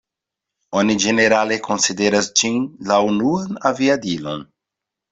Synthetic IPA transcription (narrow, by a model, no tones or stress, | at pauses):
onid͡ʒeneɾalekonsid̪eɾasd͡ʒinlaunuanaviad̪ilo̰n